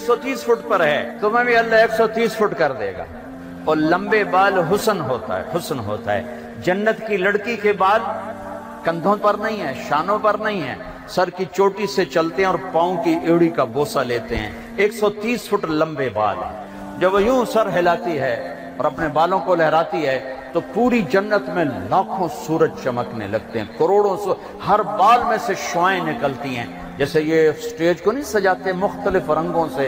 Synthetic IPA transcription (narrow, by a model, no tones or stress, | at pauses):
eksɔt̪iːsfʰʊʈpɐɾɦɛt̪omɛ̃ːbʱiɐlːaeːksɔt̪iːsfʰʊʈkɐɾd̪ḛːɡa̰ː | ɔːɾlɐ̃mbebaːlɦʊsənɦoːt̪a̰ɦɛ̰ɦʊsənɦo̰ːt̪a̰ɦɛ̰ː | d͡ʒɐnːət̪kilɐɽkikebaːd̪ | kɐ̃nd̪ʱõpɐɾnɐɦĩɦɛːʃaːnõpɐɾnɐɦĩɦɛ̰̃ː | sɐɾkit͡ʃoːʈiset͡ʃɐlt̪eɦɛ̃ɔːɾpãːõkiʔeːɽikaboːsaleːt̪eɦɛ̰̃ː | eːksɔt̪iːsfʰʊʈɾlɐ̃mbeba̰ːlɦɛ̰̃ː | d͡ʒɐbjũːsɐɾɦelaːt̪iɦɛ | ɔːɾɐpnebaːlõkolɛɦɾaːt̪iɦɛt̪opuːɾid͡ʒɐnːət̪mẽlaːkʰõsuːɾəd͡ʒt͡ʃɐməknḛlɐɡ̚t̪eɦɛ̃ːkɐɾoːɽõse | hɐɾbaːlmẽseʃɔaẽnɪkəlt̪iɦɛ̰̃ː | d͡ʒɛːsejesʈeːd͡ʒkonɐɦĩsɐd͡ʒaːt̪eɦɛ̃mʊxt̪əlɪfɾɐ̃ŋɡõse